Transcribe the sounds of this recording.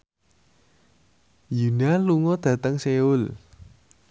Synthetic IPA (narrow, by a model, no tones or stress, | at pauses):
junaluŋɔd̪̥ä̤t̪əŋseʊl